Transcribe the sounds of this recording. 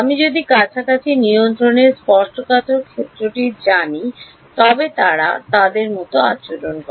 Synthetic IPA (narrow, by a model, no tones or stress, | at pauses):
amid͡ʑod̪ikat͡ɕʰakat͡ɕʰiniont̪ɾoneɾspɔɾʃʈokat̪ʰoɾkʰet̪ːɾoʈid͡ʑani | t̪ɔbet̪aɾa̰t̪ad̪eɾmɔt̪oat͡ɕoɾonkɔ